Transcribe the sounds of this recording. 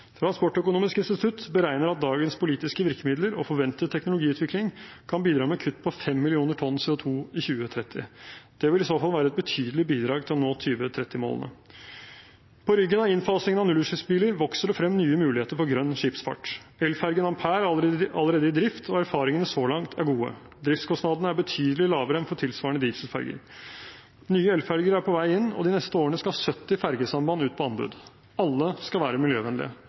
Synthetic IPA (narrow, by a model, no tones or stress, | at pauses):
t̪ʰɾɑnspɔʈːœkʊnuːmɪskɪnst̪ɪt̪ʰʉt̪bəɾæɪnəɾɑt̪̚d̪ɑːɡənspʰʊliːt̪ɪskəʋɪɾkəmɪd̪ləɾɔ̰fɔɾʋɛnt̪ət̪ʰɛknʊlʊɡiːʉːt̪ʰʋɪklɪŋkʰɑnbiːd̪ɾɑːmɛkʰʉt̪ːpʰɔfɛmːɪlɪuːnəʈʰɔnːsɛːʊt̪ʰuːɪçʉːət̪ʰɾɛt̪ʰːɪ̰d̪̥ɛʋɪlɪsoːfɑlʋæːɾəɛt̪̚bət̪ʰyːd̪əlɪbiːd̪ɾɑːɡ̚t̪ʰɪlɔnoːt̪ʰyːʋət̪ʰɾɛt̪ːɪmo̰l̰nə̰ | pʰɔɾʏɡːənɑʋɪnfɑsɪŋənɑnʉlːʉːʂɪsbiːləɾʋɔksəɖəfɾɛmːnyːəmʉːlɪheːt̪əɾfɔɾɡɾœnːʂiːpsfɑ̰ʈːɛlfæɾɡənɑmpʰæːɾəɑlːəɾeːd̪əɪd̪ɾɪft̪ʰɔæɾfɑːɾɪŋənəsoːlɑŋt̪ʰæɾɡuːə̰ | d̪ɾɪft̪skʰɔst̪nɑd̪ənəæɾbət̪ʰyːd̪əlɪlɑːʋəɾɛnfɔʈʰɪlsʋɑːɾɳəd̪iːfsəlfæ̰ɾɡə̰ɾ | nyːəɛlfæɾɡəɾæɾpʰɔʋæɪɪnːɔ̰d̪ɪnɛst̪əoːɾəɳəskɑhɑsœt̪ːɪfæɾɡəsɑmbɑnʉːt̪pʰɔɑnbʉ̰d̪ | ɑlːəskɑlʋæːɾəmɪljøːʋɛnlɪ̰ə̰